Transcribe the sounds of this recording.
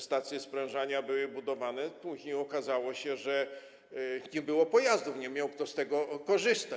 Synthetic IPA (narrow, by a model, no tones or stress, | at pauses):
st̪at̪sʲjɛspɾɛ̃w̃ʐaɲabɘwɘbud̪ɔvanɛpuʑɲejɔkazawɔɕɛʐɛ | ɲɛbɘwɔpɔjazd̪ufɲɛmʲjawk̚t̪ɔst̪ɛɡɔkɔʐɘst̪a